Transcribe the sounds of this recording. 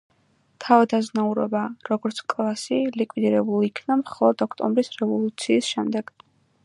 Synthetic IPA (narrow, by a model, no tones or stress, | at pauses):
t̪ʰavad̪aznauɾɔ̰baɾɔɡɔɾt̪sʰkʼlˠasilikʼwid̪iɾɛbulˠikʰnamχɔlˠɔd̪ɔkʰt̪ʼɔmbɾisɾɛvɔlˠut̪sʰiːsʃɛmd̪ɛɡ̥